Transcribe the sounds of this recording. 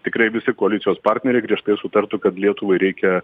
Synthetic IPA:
t̪ʲɪkɾɐɪʋʲɪsʲɪkoːɐːlʲɪt̪sʲɪjoːspɑrʲt̪ʲnʲɛɾʲɛɪɡɾʲiɛʃt̪ɐɪsʊt̪ɐɾt̪ʊkɐt̪lʲiɛt̪ʊʋɐɪɾʲɛɪkʲɛ

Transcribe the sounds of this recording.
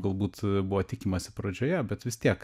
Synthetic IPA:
ɡɐlˠbuːt̪bʊʋoːt̪ʲɪkʲɪmɐsʲɪpɾɐd͡ʒʲoːjɛbʲɛt̪ʋʲɪst̪ʲiɛk

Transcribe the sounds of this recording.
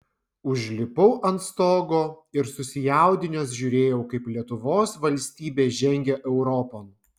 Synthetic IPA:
ʊʒʲlʲɪpɐʊʔɐnt̪st̪oːɡoːɪɾsʊsʲɪjæˑʊd̪ʲɪnʲɛs̬ʒʲuːɾʲeːjɛʊkɐɪplʲiɛt̪ʊʋoːsʋɐlʲsʲt̪ʲiːbʲeːʒʲɛŋʲɡʲɛʔɛʊɾɔːpoːn

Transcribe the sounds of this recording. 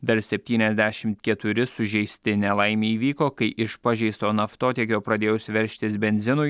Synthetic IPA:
d̪ɐɾsʲɛpʲt̪ʲiːnʲɛzʲd̪ʲæːʃʲɪmt̪kʲɛt̪ʊɾʲɪsʊʒʲɛɪsʲt̪ʲɪnʲɛlˠɐɪmʲeːiːʋʲiːkoːkɐɪʔɪʃpɐʒʲɛɪst̪oːnɐft̪oːt̪ʲiɛkʲoːpɾɐd̪ʲeːjoːsʲʋʲɛɾʲʃʲt̪ʲɪsbʲɛnʲzʲɪnʊj

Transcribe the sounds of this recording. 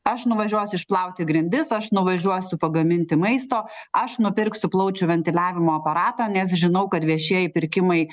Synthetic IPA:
ɐʃnʊʋɐʒʲuɔsʲʊɪʃplˠɐʊt̪ʲɪɡɾʲɪnʲd̪ʲɪsɐʃnʊʋɐʒʲuɔsʲʊpɐɡɐmʲɪnʲt̪ʲɪmɐɪst̪oːɐʃnʊpʲɪɾʲksʲʊplˠɐʊt͡ʃʲʊʋʲɛnʲt̪ʲɪlʲæːʋʲɪmoːɐpɐɾɑːt̪ɐnʲɛs̬ʒʲɪnɐʊkɐt̪ʋʲiɛʃʲiɛjɪpʲɪɾʲkʲɪmɐɪ

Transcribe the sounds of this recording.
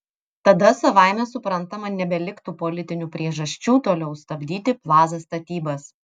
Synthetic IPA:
t̪ɐd̪ɐsɐʋɑˑɪmʲɛsʊpɾɐnt̪ɐmɐnʲɛbʲɛlʲɪkt̪uːpɔlʲɪt̪ʲɪnʲuːpʲɾʲiɛʒɐsʲt͡ʃʲuːt̪oːlʲɛʊst̪ɐbʲd̪ʲiːt̪ʲɪplˠɑːzɐst̪ɐt̪ʲiːbɐs

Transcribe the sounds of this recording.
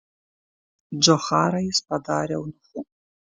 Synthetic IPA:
d͡ʒɐχaːɾɐjɪspʰɐdaːɾʲɐwnɨχʷʊ

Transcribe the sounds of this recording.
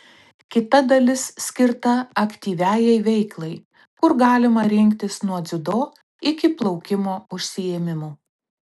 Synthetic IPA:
kʲɪt̪ɐd̪ɐlʲɪsːʲkʲɪɾt̪ɐɐkt̪ʲiːʋʲæːjɛɪʋʲɛɪklˠɐɪ | kʊɾɡɑːlʲɪmɐɾʲɪŋʲkt̪ʲɪsnuɔd̪zʲɪd̪oː | ɪkʲɪplˠɒʊkʲɪmoːʊʃʲsʲɪjeːmʲɪmoː

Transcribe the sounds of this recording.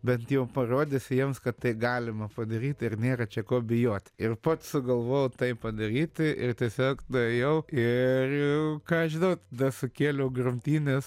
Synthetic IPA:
bʲɛnt̪jɛʊpɐroːd̪ʲesʲɪjiɛmskɐt̪t̪ɐɪɡɑːlʲɪmɐpɐd̪ɐrʲiːt̪ʲɪrnʲeːrɐt͡ʃʲɛkoːbʲɪjoːt̪ʲɪrpɐt̪ssʊɡɐlˠʋoːjt̪ɐɪpɐd̪ɐɾʲiːt̪ʲɪʔɪrt̪ʲiɛsʲoːkd̪ɐjɛʊɪrkɑːʒʲɪnɐʊt̪d̪ɐsʊkʲeːlʲoʊɡrʊmʲt̪ʲiːnʲeːs

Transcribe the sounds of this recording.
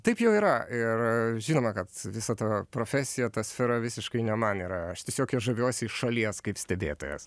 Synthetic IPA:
t̪ɐɪpjɛʊiːɾɐɪrʒʲiːnoːmɐkɐt̪ʋʲɪsɐt̪ɐpɾoːfʲæsʲɪjɛt̪ɐsʲfʲɛɾɐʋʲɪsʲɪʃkɐɪnʲɛmɐniːɾɐɐʃt̪ʲiɛsʲoːkɛʒɐʋʲuɔsʲɪɪʃɐlʲiɛskɐɪpsʲt̪ʲɛbʲḛːt̪oːjɛ̰s

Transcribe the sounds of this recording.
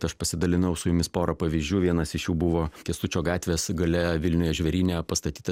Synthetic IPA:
tɐʃpɐsʲɪd̪ɐlʲɪnɐʊsʊjʊmʲɪspoːɾɐpɐʋʲɪzʲd͡ʒʲuːʋʲiɛnɐsɪʃjuːbʊʋoːkʲiɛst̪ʊt͡ʃʲoːɡɑːt̪ʲʋʲeːsɡɐlʲɛʋʲɪlʲnʲʊjɛʒʲʋʲɛɾʲiːnʲepɐst̪ɐt̪ʲiːt̪ɐ

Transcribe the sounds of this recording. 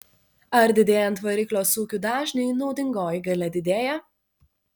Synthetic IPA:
ɐɾd̪ʲɪd̪ʲeːjɛ̃nt̪ʋɐɾʲiːklʲoːsuːkʲuːd̪ɑːʒʲnʲɛɪnɒʊd̪ʲɪŋɡoːjɡɐlʲɛd̪ʲɪd̪ʲeːjɛ

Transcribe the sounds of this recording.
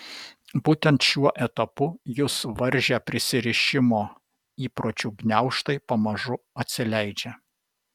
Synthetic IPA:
buːt̪ʲɛnt̪ʃʲuɔʔɛt̪ɐpʊjʊsʋɐɾʲˑʒʲeːpʲɾʲɪsʲɪɾʲɪʃʲɪmoː | iːpɾoːt͡ʃʲuːɡnʲæˑʊʃt̪ɐɪpɐmɐʒʊɐt̪ʲsʲɪlʲæˑɪd͡ʒʲɛ

